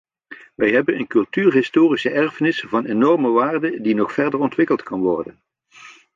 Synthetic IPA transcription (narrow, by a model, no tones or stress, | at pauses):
ʋɛjɦɛbənənkɵlˠtyːrɦɪstoːrisəʔɛɹfənɪsvɑnenɔɹməʋaːrdədinɔχfɛɹdəɹɔntʋɪkəlˠtkɑnʋɔɹdən